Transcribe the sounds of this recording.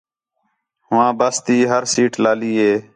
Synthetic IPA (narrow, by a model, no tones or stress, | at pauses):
ɦʊʋãːbəst̪iːɦəɾsiːʈlaːliːɦeː